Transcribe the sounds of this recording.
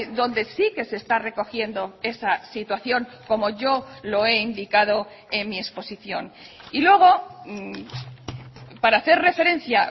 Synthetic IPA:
ðo̞nd̪e̞sike̞se̞st̪are̞ko̞xje̞nd̪oe̞sasit̪waθjo̞ŋko̞mo̞ʝo̞lo̞e̞ind̪ikað̞o̞ | e̞nmie̞spo̞siθjo̞nilwe̞ɣ̞o̞ | paɾaːθe̞ɾre̞fe̞ɾẽ̞n̟θja

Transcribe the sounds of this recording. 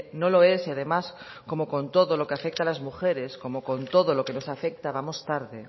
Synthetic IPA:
noloesiaðemas | ko̞mokõ̞nt̪oðolokeafek̚t̪alazmuxeɾesko̞moko̞nt̪oðolokenosafek̚t̪aβ̞amost̪aɾðe

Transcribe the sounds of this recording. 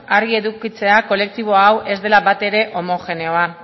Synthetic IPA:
aɾɣie̞ðukit͡se̞ako̞le̞k̚t̪iβ̞o̞awʔe̞zd̪e̞laβat̪e̞ɾe̞ʔo̞mo̞xe̞ne̞o̞a

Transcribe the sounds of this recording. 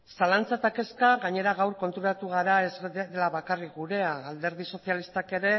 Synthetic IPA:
salant͡sat̪ake̞skaɣaɲe̞ɾaɣawɾko̞nt̪uɾat̪uɣ̞aɾae̞zðelaβakarikɣuɾe̞aald̪e̞ɾðiso̞sialist̪ake̞ɾe̞

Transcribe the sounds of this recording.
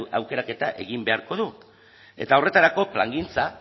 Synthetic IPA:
awke̞ɾake̞t̪aʔe̞ɣimbe̞aɾko̞ðu | e̞̰t̪ao̞re̞t̪aɾako̞pla̰ŋɡint͡sa

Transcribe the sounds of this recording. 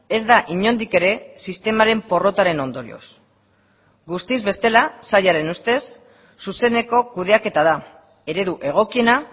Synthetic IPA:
e̞zðaʔiɲo̞nd̪ike̞ɾe̞sist̪e̞maɾe̞mpo̞ro̞t̪aɾe̞no̞nd̪o̞ɾḭo̰s | ɡust̪izβe̞st̪e̞lasajaɾe̞nust̪e̞sː | use̞ne̞ko̞kuðe̞ake̞t̪aða | e̞ɾe̞ðuʔe̞ɣ̞o̞kie̞na

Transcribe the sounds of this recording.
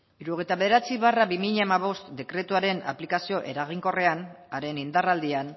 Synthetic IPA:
iɾuɣejt̪aβe̞ðeɾat͡siβaraβimiʎaemaβ̞o̞st̪d̪e̞kɾe̞t̪uaɾe̞na̰plikasio̞ʔe̞̰ɾaɣ̞iŋko̞re̞an | aɾe̞nind̪arald̪ian

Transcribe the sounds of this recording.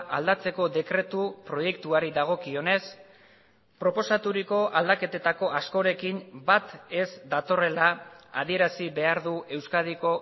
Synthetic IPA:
ʔald̪at͡se̞ko̞ðe̞kɾe̞t̪upɾo̞je̞kt̪uaɾiðaɣ̞o̞kio̞ne̞s | pɾo̞po̞sat̪uɾiko̞ʔald̪ake̞t̪e̞t̪ako̞asko̞ɾe̞kimbat̪e̞zd̪at̪o̞re̞laːð̞ie̞ɾasiβe̞aɾðue̞wskaðiko̞

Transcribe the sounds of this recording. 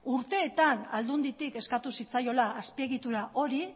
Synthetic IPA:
uɾt̪e̞ːt̪ana̰ld̪und̪it̪ike̞skat̪usit͡sajo̞laːspie̞ɣit̪uɾaʔo̞ɾi

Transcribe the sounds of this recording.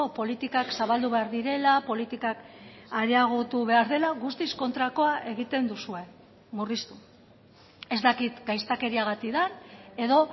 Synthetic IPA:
opo̞lit̪ikaksaβald̪uβe̞aɾðiɾe̞lapo̞lit̪ikakaɾeaɣ̞ot̪uβe̞aɾðe̞laɣust̪isko̞nt̪ɾako̞aʔe̞ɣ̞it̪e̞nd̪usue̞ | murist̪u̥ | e̞zd̪akit̪ɡajst̪ake̞ɾiaɣ̞at̪iðaɾe̞ðo̞

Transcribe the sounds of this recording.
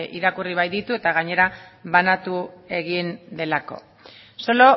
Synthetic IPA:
ḭɾakuriβ̞ajd̪it̪ue̞t̪aɣaɲe̞ɾaβanat̪ue̞ɣ̞ind̪e̞lako̞̰ | so̞lo̞

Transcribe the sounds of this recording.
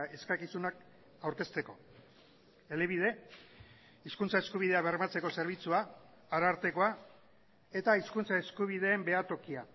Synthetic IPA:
e̞skakisunak | awɾke̞st̪e̞ko̞ | e̞leβ̞ið̞e̞ | iskunt͡sae̞skuβ̞iðe̞aβe̞ɾmat͡se̞ko̞se̞ɾβ̞it͡suaː | ɾaɾt̪e̞ko̞a | e̞t̪aiskunt͡sae̞skuβ̞ið̞e̞ːmbe̞at̪o̞kia

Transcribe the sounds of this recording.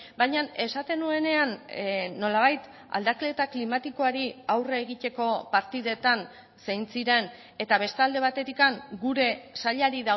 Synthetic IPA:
baɲane̞sat̪e̞nue̞ne̞anːo̞laβ̞ajt̪ | a̰ld̪aklet̪aklimat̪iko̞aɾiawreːɣ̞it̪e̞ko̞paɾt̪iðe̞t̪an | sejnt͡siɾe̞n | e̞t̪aβe̞st̪ald̪e̞β̞at̪e̞t̪ikaŋɡuɾe̞saʎaɾiða

